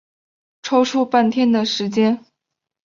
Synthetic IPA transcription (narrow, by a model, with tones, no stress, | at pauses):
ʈ͡ʂʰo˥ʊʈ͡ʂʰu˥˧pa˥˩nt̪ʰjɛ˥nd̪ə˨ʂɻ̩˧˥t͡ɕjɛ˥n